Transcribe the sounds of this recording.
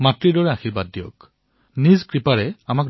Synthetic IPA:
matɹidɔɹɛaxiɹbadːijɔk | nizkɹipaɹɛamak̚

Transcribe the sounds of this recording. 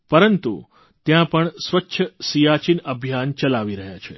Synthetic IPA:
pəɾənt̪ṵ | t̪jãpəɳsʋətːʃʰəsijat͡ʃinəbʱjant͡ʃəlaʋiɾəɦjat͡ʃʰe

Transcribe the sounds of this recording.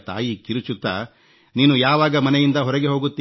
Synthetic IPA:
t̪a̰ːjikiɾut͡ʃut̪ːa | niːnujaːʋaːɡɐmɐnɛjind̪ɐɦɔɾɐɡe̞ɦo̞ːɡut̪ːi

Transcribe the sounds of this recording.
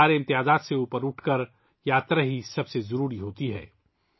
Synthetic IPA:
aːɾeɪ̃mt̪ɪjaːzaːt̪seuːpəɾʊʈʰkɐɾ | jaːt̪ɾaɦisɐbsezɐɾuːɾiɦoːt̪iɦɛ̰ː

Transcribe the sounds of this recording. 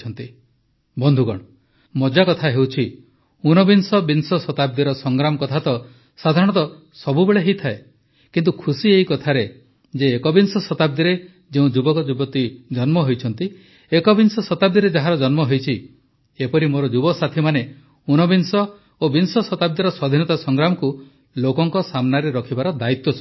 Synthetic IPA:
ɔnt̪i | bɔnd̪ʱuɡɔ̰ɽ̃ɔ | mɔd͡ʒakɔt̪ʰaɦewt͡ʃʰi | unɔbinsɔbinsɔsɔt̪ab̚d̪iɾɔsɔŋɡɾamɔkɔt̪ʰat̪ɔ | sad̪ʱaɾɔɽ̃ɔt̪ɔ | sɔbubeɭeɦit̪ʰae | kint̪ukʰusieɦikɔt̪ʰaɾe | d͡ʒeːkɔbinsɔsɔt̪ab̚d̪iɾe | d͡ʒeũd͡ʒubɔkɔd͡ʒubɔt̪id͡ʒɔnmɔɦojt͡ʃʰɔnt̪i | ekɔbinsɔsɔt̪ab̚d̪iɾed͡ʒaɦaɾɔd͡ʒɔnmɔɦojt͡ʃʰi | epɔɾimoɾɔd͡ʒubɔsat̪ʰimane | unɔbinsɔ | obinsɔsɔt̪ab̚d̪iɾɔsɔd̪ʱinɔt̪asɔŋɡɾamɔku | lokɔŋkɔsamnaɾeɾɔkʰibaɾɔd̪ait̪wɔsʰɔ

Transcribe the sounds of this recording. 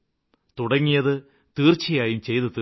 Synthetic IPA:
t̪uɽɐŋːijɐðɨ | t̪iːrt͡ɕɐjaːjumt͡ɕe̞jt̪ɨt̪ːɨ

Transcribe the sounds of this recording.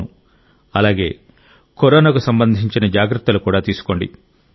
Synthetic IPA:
u | ɐlaːɡe̞ː | koɾoːnak̬usɐmbɐnd̪ʱiɲt͡ʃinɐd͡ʒaːɡɾɐt̪ːɐlukuːɽaːt̪iːsu̥ko̞ɳɖḭ

